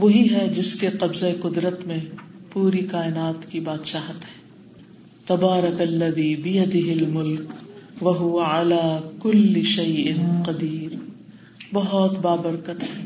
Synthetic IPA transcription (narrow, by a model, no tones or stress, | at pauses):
ʋoɦiɦɛd͡ʒɪskeqɐbzaeqʊd̪ɾət̪mẽpuːɾikaːɪnaːt̪kibaːd̪ʃaːɦt̪ɦɛː | t̪ɐbaːɾɐkɐlːɐðiːbɪjɐd̪ɪɦɪlmʊlkʋɐɦʊʋaalaːkʊlːɪʃɐjʔɪnqɐd̪iːɾ | bɐɦɔt̪baːbɐɾkət̪ɦɛː